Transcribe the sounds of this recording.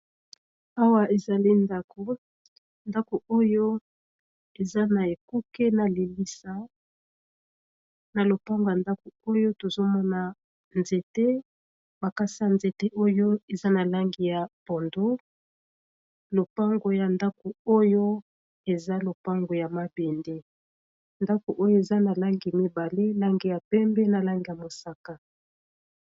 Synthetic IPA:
a˦wa˦e˨za˨li˦nda˦kʰo˨ | nda˦ko˨o˦jo˦ | e˨za˦na˨e˨ku˦ke˦na˨li˨li˦sa˦ | na˨lo˨pa˦ŋɡo˨ja˨nda˦ko˨o˦jo˦to˨zo˦mɔ˦na˨ | nze˨te˦ | ba˨ka˦si˦a˨nze˨te˦ʔo˦jo˦e˨za˦na˨la˦ŋɡi˨ja˨pɔ˨ndo˦ | lo˨pa˦ŋɡo˨ja˨nda˦ko˨o˦jo˦ | e˨za˦lo˨pa˦ŋɡo˨ja˨ma˦be˨nde˦ | nda˦ko˨ʔo˦jo˦e˨za˦na˨la˦ŋɡi˨mi˦ba˨le˦la˦ŋɡi˨ja˨pɛ˦mbɛ˦na˨la˦ŋɡi˨ja˨mo˨sa˨ka˨

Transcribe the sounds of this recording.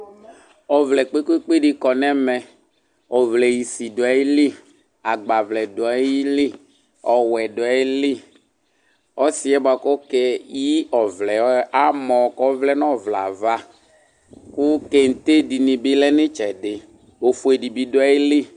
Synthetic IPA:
ɔ˨vlɛ˨k͡pe˦ku˦e˦k͡pe˦ɖi˨kɔ˨nɛ˦mɛ˨ | ɔ˨vlɛ˨ji˨si˨do˨a˨ji˦li˦ | a˨ɡ͡ba˨vlɛ˨do˨a˨˦ji˦li˦ | ɔ˨wɛ˨do˨a˨ji˦li˦ | ɔ˦si˨ɛ˦ba˨kɔ˦kɛ˦ji˦ɔ˨vlɛ˨˦a˦mɔ̃˨kɔ˦vlɛ˦nɔ̃˦˨vla̰˨va˦ | ku˦ke˦ŋ̩˨t̪e˦di˨nĩ˨bɪ˦lɛ˦nɪ̃˦t͡ʃɛ˨ɖɪ˨ | o˨fu˨e˨ɖi˨bi˨do˦a˨˦ji˦li˦

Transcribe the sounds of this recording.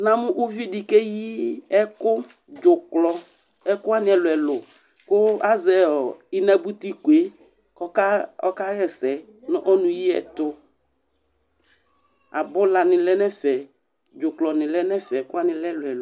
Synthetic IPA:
nã˨mʊ̃˦ʔu˦vi˦di˨ke˦ji˦ɛ˦kʊ˦ | d͡ʒʊ˨klɔ˨ | ɛ˦kʊ˦a˦nɪ̃˨ɛ˨lʊ˨ɛ˨lʊ˨ | kʊ˦a˦zɛ˨ɔ˨ɪ˦nɛ̃˦bu˦t̪i˦ku˨e˦ | kɔ˦ka˦ɔ̰˦ka˦ɣɛ˦sɛ˨ | nɔ̃˦ʔɔ˦nʊ̃˨ji˦ɛ̰˨t̪ʊ˦ | a̰˨bʊ˦la˨nɪ̃˨lɛ˦nɛ˦fɛ˨ | d͡ʒʊ˨klɔ˨nɪ̃˨lɛ˦nɛ˦fɛ˨˦kʊ˦a˦nɪ̃˨lɛ˦lʊ˨ɛ˨lʊ˨

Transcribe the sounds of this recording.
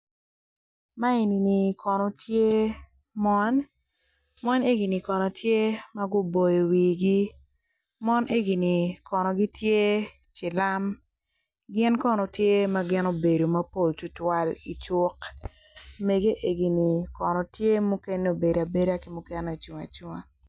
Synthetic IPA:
ma˦e˨ni˨ni˨kʰɔ˨nɔ˨tʰje˦ | mɔ˦n | mɔ˦ne˦ɡi˨ni˨kɔ˨nɔ˨tʰje˦ma˦ɡʊ˦bo˨jo˨wi˨ɡi˦ | mɔ˦nʔe˦ɡi˨ni˨kɔ˨nɔ˨ɡi˦tje˦ | t͡ʃɪ˨la˦m | ɡɪ˦nkɔ˦nɔ˨tje˦ma˦ɡɪ˦no˦be˨do˨ma˦po˦ltu˨twa˨li˨t͡ʃʊ˦k | me˨ɡe˦ʔe˦ɡi˨ni˨kɔ˨nɔ˨tje˦mu˦ke˦n˦o˨be˨da˨be˦da˦kɪ˨˦mʊ˦kɛ˦na˨t͡ʃu˨ŋa̰˨t͡ʃu˦ŋa˨

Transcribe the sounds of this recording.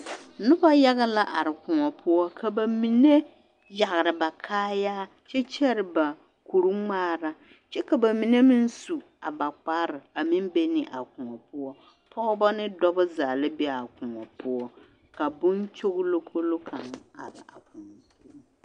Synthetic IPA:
nʊ˦ba˦ja˦ɣa˦la˦ʔa˨ɾɪ˨kʊ˨ŋɔ˨pʰʊ˦ɔ˦kʰa˨ba˨mi˨ne˦ | ja˨ɣɾɪ˨ba˨kʰaː˦jaː˦ | t͡ʃɛ˦t͡ʃɛ˦ɾɪ˨ba˨ | ku˨ɾu˦ŋ͡maː˦ɾa˦ | t͡ʃɛ˦ka˨ba˨mi˨ne˦mɪ˦n˦su˨ | a˨ba˨k͡pa˦ɾɪ˨a˨mi˦m˦be˦nɪ˨ʔa˨kʊ˨ŋɔ˨pʊ˦ɔ˦ | pʰɔ˦ʊ˦ba˦nɪ˦dɔ˦bʊ˦zaː˨lɪ˦bɛ˦a˨kʊ˨ŋɔ˨pʊ˦ɔ˦ | ka˨bʊ˦nt͡ʃo˦ɣlo˦kʰo˦lo˦kʰa˨ŋ˨a̰˨ɾɪ̰˨a̰˨kʰʊ˨ŋɔ˨zu˦

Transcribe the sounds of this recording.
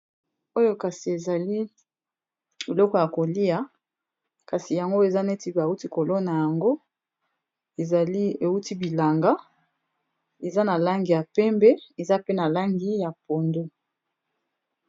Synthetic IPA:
o˦jo˦ka˨si˨e˨za˨li˦ | bi˨lɔ˦kɔ˨ja˨ko˨li˦a˦ | ka˨si˨ja˨ŋɡo˦e˨za˦ne˦ti˦ba˨u˦ti˦ko˨lo˦na˨ja˨ŋɡo˦ | e˨a˨li˦e˨u˦ti˦bi˨la˨ŋɡa˦ | e˨za˦na˨la˦ŋɡi˨ja˨pɛ˦mbɛ˦e˨za˦pe˦na˨la˦ŋɡi˦ja˨po˨ndo˦

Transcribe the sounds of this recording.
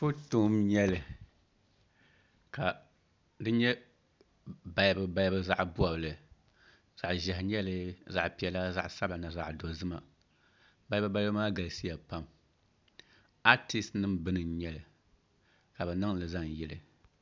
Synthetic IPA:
fʊ˦to˦mɲɛ˦lɨ˨ | ka˨ | dɨ˦ɲɛ˦ | ba˨jbɨ˨ba˦jbɨ˦za˦ʔbu˦a˨bɨ˨lɨ˨ | z̥a˨ʔʒɛ˨ɦɪ˨ɲɛ˦lɨ˦za˨ʔpi˨ɛ˨˦la˦za˦ʔsa˦ba˨na˨za˨ʔdo˨zɨ˦ma˨ | ba˦bɨ˦ba˦maː˦ɡa˨lsi˦ja˨pa˦m | a˦ti˦stnɨ˦mbɨ˦nɨ˨˦ɲɛ˦lɨ˨ | ka˨bɛ˨nɨ˦ŋlɨ˨za˦ŋ˨jɛ˦lɨ˨

